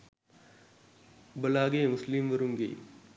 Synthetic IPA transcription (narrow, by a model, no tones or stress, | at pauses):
bɐlaːɡeːmʊslimʋɐɾuŋɡɐ̰ː